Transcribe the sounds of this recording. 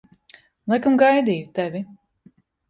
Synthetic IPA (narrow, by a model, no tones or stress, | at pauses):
lˠɛkamɡajd̪iːt̪ɛvʲi